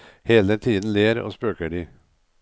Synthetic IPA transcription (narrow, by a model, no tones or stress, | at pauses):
heːlət̪ʰiːd̪n̩leːɾo̰ːspøːkəɖiː